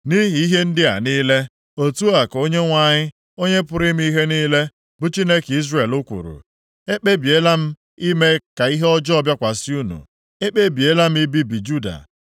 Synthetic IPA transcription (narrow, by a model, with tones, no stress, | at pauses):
ni˦ɦi˨i˦ɦe˦n̩˦dɪ˦a̰˨niː˦le˦ | o˨tu˦a˨ko˦ɲe˦ŋʷa˨ɲɪ˦ | o˦ɲe˦pʊ˨ɾɪ˦m̩˦i˦ɦe˦niː˦le˦ | bʊ˨t͡ʃi˦ne˦ki˦zre˨e˨lʊ˦kʷṵ˨ɾṵ˨ | e˦k͡pe˦bi˨e˦la˦m̩˦ | i˦me˦ka˨i˦ɦe˦ɔ˦d͡ʒɔ˦ɔ˦bja˦kʷa˨sɪ˦u˦nṵ˨ | e˦k͡pe˦bi˨e˦la˦m̩˦i˦bi˦bi˨d͡ʒu˦da̰˨